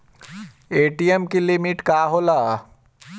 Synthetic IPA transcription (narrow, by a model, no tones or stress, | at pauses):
eːʈijemkilimiʈkaːɦolaː